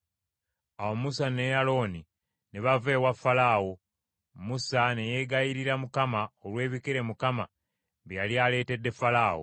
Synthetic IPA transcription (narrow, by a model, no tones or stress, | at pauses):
awomusanejalo̞ːni | neβave̞ːwafːalaːwo | musane̞je̞ɡajiɾiɾamukamaolwe̞ːβikeɾe̞mukama̰ | βjjaljale̞ːte̞dːe̞falaːwo̰